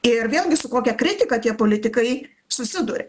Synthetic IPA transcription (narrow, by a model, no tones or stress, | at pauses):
ɪrʋʲeːlˠʲɡʲɪsʊkoːkʲɛkɾʲɪt̪ʲɪkɐt̪ʲiɛpoːlʲɪt̪ʲɪkɐɪ | sʊsʲɪd̪uɾʲɛ